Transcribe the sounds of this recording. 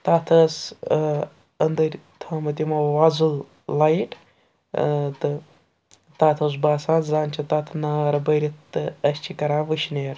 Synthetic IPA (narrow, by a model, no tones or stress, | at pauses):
t̪at̪ʰɐs | ɐnd̪ɐɾʲt̪ʰɐmɐt̪imɐʋazɨl | lajʈ | t̪ɨ | t̪aːt̪ʰos̬baːsaːnzaːnt͡ʃʰit̪at̪ʰnaːɐɾɐbəɾʲiɨɐsʲt͡ʃʰikɐɾaːʋɨʃneːɾ